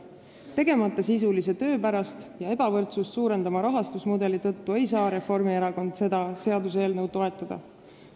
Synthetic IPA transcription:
t̪e̞ɡ̥e̞mɑt̪ːˑɑsis̬ulise̞t̪ø̞ːpæɾɑst̪jɑe̞b̥ɑvɤrt̪sust̪suːɾe̞nd̪ɑmɑɾɑɦɑst̪usmud̪e̞lit̪ɤ̞t̪ːue̞jsɑːɾe̞fo̞rmie̞ɾɑko̞nd̪̥se̞d̪̥ɑse̞ɑd̪useːlnɤwt̪ːo̞e̞t̪ːˑɑd̪̥ɑ̰

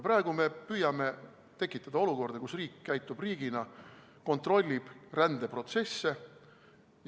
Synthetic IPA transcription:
pɾɑeɡ̥ume̞pyjɑme̞ | t̪e̞kːˑit̪ːˑɑd̪̥ɑo̞luko̞rd̪̥ekusriːkːæjt̪ːˑub̥riːɡ̥inɑ | ko̞nt̪ro̞lʲːib̥rænd̪̥e̞pro̞t̪se̞sːe

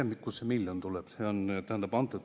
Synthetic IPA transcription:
end̪ikːussemiljont̪ulɛb̥seont̪æhænd̪ɑbɑnt̪ːˑut̪

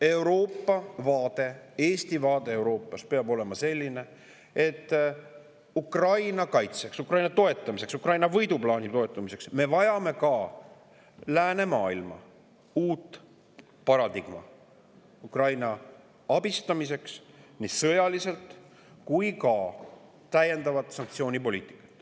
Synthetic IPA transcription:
e̞wɾo̞ːpːɑvɑːd̪̥e̞eːst̪ivɑːd̪̥e̞ewɾo̞ːpːˑɑspe̞ɑbo̞le̞mɑse̞lʲːine̞ | e̞t̪ːˑ | ukrɑjnɑkɑjt̪se̞ksukrɑjnɑt̪o̞e̞t̪ˑːɑmise̞ksukrɑjnɑvɤjd̪uplɑːnʲit̪o̞et̪ːˑumise̞ksme̞vɑjɑme̞kɑ | læːne̞mɑːilmɑ̰ | uːt̪ːˑ | pɑɾɑd̪iɡ̥mɑ̰ | ukrɑjnɑ | ɑb̥ist̪ɑmise̞ksnisɤjɑlise̞lt̪ˑ | kujkɑ | t̪æje̞nd̪ɑvɑt̪sɑŋk̚t̪sio̞ːnʲipo̞lʲiːt̪ˑi̥kːˑɑ̥t̪ːˑ

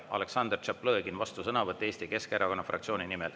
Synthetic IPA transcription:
ɑ̰le̞ksɑnd̪rt͡ʃɑplɤeɡinvɑst̪usɤnɑvɤt̪ːˑeeːst̪ike̞skeɾʔɑko̞nːɑfrɑ̰kt̪sio̞ːninimel

